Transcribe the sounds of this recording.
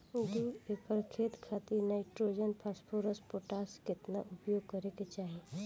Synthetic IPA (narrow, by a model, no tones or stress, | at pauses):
d̪uepəɾkʰeːt̪kʰat̪iɾnaɪʈɾoːd͡ʒənpʰaspʰoɾəspoʈaskɪt̪naʔʊpjoɡ̚kəɾeket͡ʃaːɦe